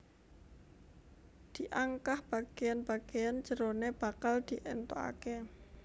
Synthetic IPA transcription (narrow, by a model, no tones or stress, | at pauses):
d̪̥i̤ʔaŋkahb̥a̤ɡ̥ejanb̥aɡ̥ejand͡ʒəɾoneb̥akald̪̥i̤ʔɛnt̪oa̰ke